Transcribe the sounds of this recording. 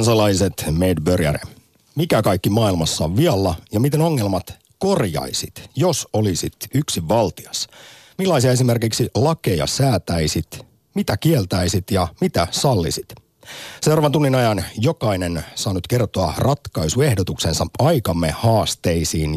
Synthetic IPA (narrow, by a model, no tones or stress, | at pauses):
nsɑlɑiset̪meːdbørjæ̰ɾḛ | mikækɑikːimɑːilmɑsːɑ̰ːʋːiɑlːɑjɑmit̪e̞no̞ŋːe̞lmɑt̪ | ko̞rjɑ̰isit̪jo̞solisit̪yksiʋːɑlt̪iɑs | milːɑjsiɑes̬ime̞rkiksilɑke̞jɑ̰sæːt̪æisit̪ | mit̪ækielt̪æisit̪jɑmit̪æsɑlːḭsit̪ | sewrɑʋɑnt̪unːinɑjɑnjo̞kɑinensɑːnut̪ke̞rt̪oɑrɑt̪kɑisue̞hdot̪ukse̞nsɑɑjkɑmːe̞hɑːst̪e̞isiːn